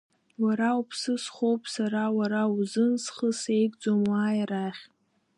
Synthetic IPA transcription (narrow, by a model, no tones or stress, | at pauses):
waɾaupʰsɨsχowpʼsaɾawaɾawuzɨnsχəsejɡʼd͡zomajɾaχʲʼ